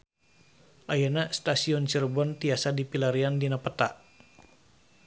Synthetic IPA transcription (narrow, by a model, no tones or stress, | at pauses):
ʔajanast̪asiɔnt͡ʃirbɔnt̪iasadipilaɾiandinapət̪a̰ʔ